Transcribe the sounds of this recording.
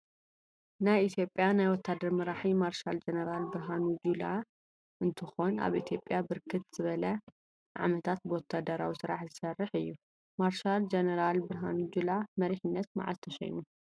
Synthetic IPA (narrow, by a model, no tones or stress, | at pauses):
najʔit̪ʰjo̞pʼːjanajwɔt̪ʰːad̪ɐɾmɐɾaħimaɾʃald͡ʒenɐɾalbɨɾɦanud͡ʒula | ʔɨnt̪ʰɨxo̞na̰βit̪ʰjo̞pʼːjabɨɾkʰɨt̪z̥ɨβɐlɐ | ʕa̰mɐt̪ʰat̪̚bɨwɔt̪ʰːad̪ɐɾa̰wisɨɾa̰ħzɨsɐrːɨħɨjːu | maɾʃald͡ʒenɐɾalbɨɾɦa̰nud͡ʒulamɐɾiħɪnːɐt̪ma̰ʕa̰zt̪ʰɐʃɐ̰jnu